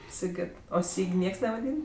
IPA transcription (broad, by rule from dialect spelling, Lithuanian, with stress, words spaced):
sʲɪˈɡʲɪt oː ˈsʲiːkʲ ˈnʲiɛks nʲɛʋɐˈdʲiːn